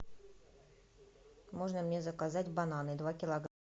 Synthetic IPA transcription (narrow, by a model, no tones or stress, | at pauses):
moʐnəmnʲezəkazatʲbananɨd̪vakʲɪlˠɐɡ